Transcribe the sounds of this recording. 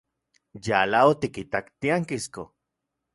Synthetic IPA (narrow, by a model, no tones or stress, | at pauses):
jalaot̪ikit̪akt̪iaŋkisko